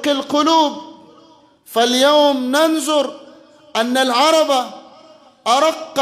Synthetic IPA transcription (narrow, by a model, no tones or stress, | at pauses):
qɪlqʊluːb̚ | faljaːmnanzˤʊɾˤ | ʔanːalʕɑɾˤɑba | ʔɑɾˤɑqː